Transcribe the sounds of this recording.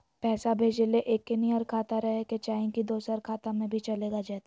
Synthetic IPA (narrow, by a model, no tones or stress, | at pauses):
pɛːsabʱeːd͡ʒeleʔeːkːeniɔɾkʰaːt̪aɾɐɦeket͡ʃaːĩkid̪oːsəɾkʰaːt̪amẽbʱit͡ʃɐleːɡad͡ʒaːt̪